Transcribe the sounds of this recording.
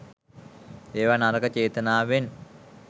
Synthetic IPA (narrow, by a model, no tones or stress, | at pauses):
eːʋanaɾəkət͡ʃeːt̪ənaːʋen